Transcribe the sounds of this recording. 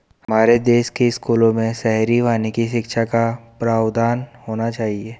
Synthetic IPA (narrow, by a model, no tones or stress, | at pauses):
ɦhɐmaːɾed̪eːʃkeɪskuːlõmẽsɛɦɾiʋaːnekiʃɪkʃakapɾaːʋd̪aːnhoːnat͡ʃaːɦieː